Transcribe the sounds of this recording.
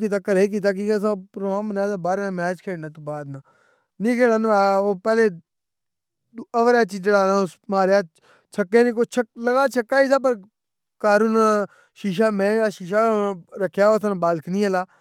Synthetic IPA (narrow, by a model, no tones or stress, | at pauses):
kiːt̪aːkəɾeːk̬iːt̪̬aːk̬iəsãːpɾoaːmbənaːsaːbaːɾãːmɛːd͡ʒkʰeːɽnãːt̪ubaːd̪nãː | nĩːkʰeːɽãːnaːoːpɛːleː | əʋɾaːt͡ʃiːt͡ʃəɽaːnãːs | maːɾjaː | t͡ʃʰəkːeːnĩːkot͡ʃʰəkləɡaːt͡ʃʰəkːaːiːsaːp̬əɾ | kaːɾuːn | ʃiːʃ̬aːmɛ̃ːjaːʃiːʃ̬aːɾəkʰjaːosãːnbaːlkʰnĩːəlaː